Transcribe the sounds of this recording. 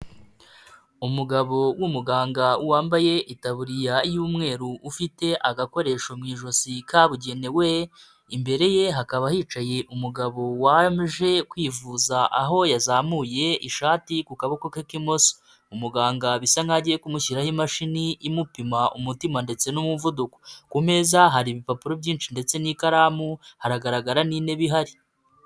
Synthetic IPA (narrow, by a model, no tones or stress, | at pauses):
umuɡaβo̞wumuɡaːŋɡauwaːmbaje̞ʔitaβuɾijaijuːmŋe̞ːɾuːfite̞ʔaɡako̞ɾe̞ːʃomŋiːʒo̞sikʰaβuɟe̞ne̞we̞ | imbe̞ɾe̞je̞ɦakaβahiːt͡ʃaje̞ʔumuɡaβo̞wamʒe̞kwiːvuːzaʔaɦo̞jazaːmuːje̞iʃaːtikukaβokokekimo̞so̥ | umuɡaːŋɡaβisaŋaɟijekumuçiɾahimaʃiniʔimupimaʔṵmutimande̞t͡se̞numuvuduko̥kume̞zaɦaɾiβipapuɾo̞bɟiːnt͡ʃinde̞t͡se̞nikaɾamuhaɾaɡaɾaɡaɾanine̞βiɦaɾi